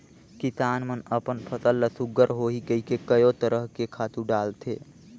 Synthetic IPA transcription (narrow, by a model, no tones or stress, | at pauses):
kit̪aːnmənəpənpʰət̪əlːəsʊɡəɾɦoɦikəikekəjot̪əɾəɦkekʰaːt̪ũɖaːlt̪ʰḛː